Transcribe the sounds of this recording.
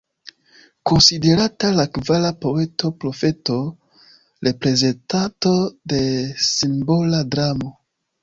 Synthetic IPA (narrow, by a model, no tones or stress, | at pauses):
ko̞nside̞ɾatalakvalapo̞e̞to̞pɾo̞fe̞to | ɾe̞pɾe̞ze̞ntato̞de̞simbo̞ladɾamo̞